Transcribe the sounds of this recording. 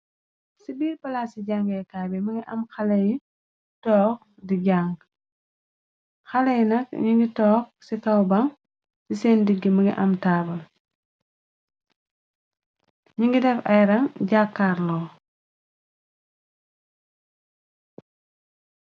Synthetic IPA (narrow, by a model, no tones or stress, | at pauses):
sibiːɾpɐlaːsiɟaŋɡɛjkaːbɛmɐŋɡiʔɐmxɐlɐj | tɔːk̚ | diɟaŋɡ | xɐlɐjnɐk̚ɲiŋɡitɔːk̚sikɐwbɐŋ | sisɛːndiɡːəmɐŋɡḭʔɐmtaːbɐl | ɲiŋɡidɛfɐjɾɐŋɟakːaːɾlɔː